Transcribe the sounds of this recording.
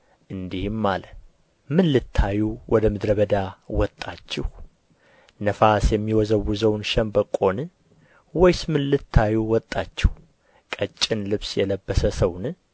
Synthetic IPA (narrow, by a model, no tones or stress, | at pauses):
ʔɨnd̪ihmːalə | mɨnlɨt̪ʰːajuwʔɔd̪əmɨd̪ɾəβəd̪awɔt̪ʼːat͡ʃːɛh | nəfasjɛmːiwɔzəwːuzəwnʃɛmbəkʼo̞nɨ | wɔjsmɨnlɨt̪ʰːajuwɔt̪ʼːat͡ʃːɪh | kʼət͡ʃʼːɪnlɨβsjɛləbːəsəsəwnɨ